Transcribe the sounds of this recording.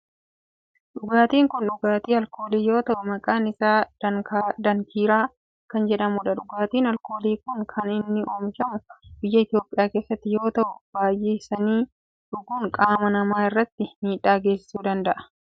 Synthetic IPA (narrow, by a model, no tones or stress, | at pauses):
ᶑʊɡaːt̪iːŋkʊnᶑʊɡaːt̪iːɐlko̞ːleːjo̞ːt̪ɐʔʊmɐkʼaːnɪsaːd̪ɐŋkaːd̪ɐŋkʰiːɾaː | kɐnd͡ʒɛᶑɐmuːᶑɐᶑʊɡaːt̪iːnɐlko̞ːleːkʊŋkʰɐnɪnːɪʔoːmɪʃɐmʊbɪjːɐɪt̪jo̞ːpʼɪjaːke̞ːsːɐt̪ːɪjo̞ːt̪ɐʔʊb̥aːjʔeːsɐniː | ᶑʊɡuːŋkʼaːmɐnɐmaːɪrːɐt̪ːɪmiːᶑaːɡe̞ːsɪ̥suːd̪ɐnd̪ɐʔɐ̥